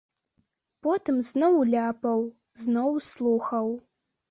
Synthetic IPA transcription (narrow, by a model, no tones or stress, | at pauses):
potʰɨmznowlʲaːpʰɐw | znowsluxɐw